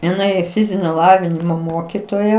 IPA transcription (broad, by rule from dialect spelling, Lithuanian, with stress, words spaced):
ɪˈnɐɪ ˈfʲɪzʲɪnʲoː ˈlˠɑːʋʲɪnʲɪmoː ˈmoːkʲɪtoːjɛ